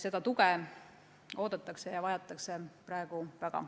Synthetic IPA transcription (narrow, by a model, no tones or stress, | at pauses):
se̞d̪̥ɑt̪uke | o̞ːd̪̥ɑt̪ːˑɑkse̞jɑvɑjɑt̪ːˑɑkse̞prɑe̞ɡuvæɡ̥ɑ̰